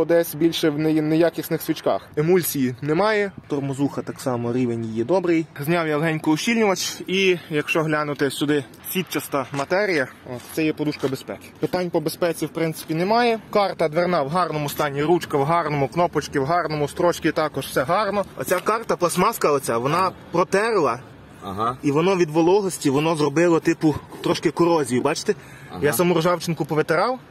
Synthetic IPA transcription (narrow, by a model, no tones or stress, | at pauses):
ɔd̪ɛsʲbʲilʲʃɛwnjnejakʲisʲnɪxsʲʋʲit͡ʃkɑ̰xɪmulʲsʲijinɛmɑjɛt̪ɔrmɔzuxɐt̪ɑksɑmɔɾʲiʋenʲjijɛd̪ɔbɾɪjzʲnʲɑwjɐlˠɦɛnʲkʊɔʃʲilʲnʲʊʋɐt͡ʃʲijɐkʃt͡ʃɔɦlʲanʊt̪ɪsʲʊd̪ɪ | sʲʋʲit̪t͡ʃɐst̪ɐmɐt̪ɛɾʲijɐɔt̪t̪sɛjɛpɔd̪uʃkɐbespɛkʲɪ̥pɪt̪ɑnʲpɔbespɛt͡sʲiwpɾɪnt̪ɪ̥pʲinɛmɑjɛkɑrt̪ɐd̪ʋernɑwɦɑrnɔmʊst̪ɑnʲːiɾut͡ʃkɐwɦɑrnɔmʊknɔpɔt͡ʃkʲɪwɦɑrnɔmʊst̪ɾɔt͡ʃkʲit̪ɑkɔʒwsɛɦɑrnɔɔ̰t͡sʲakɑrt̪ɐplˠɐsmɑskɐɔt͡sʲaʋɔnɑpɾɔt̪ɛɾlˠɐ | iʋɔnɔʋʲid̪ʋɔlˠɔɦɔsʲtʲiʋɔnɔzrɔbɪlˠɐt̪ɪpʊt̪ɾɔʃkɪkʊɾɔzʲijʊbɑt͡ʃt̪e | jasɐmuɾɔʒɑwt͡ʃɪnkʊpɔʋet̪eɾɑw